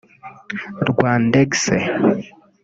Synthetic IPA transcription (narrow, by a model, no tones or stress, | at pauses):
ɾɡwaːndeɡsḛ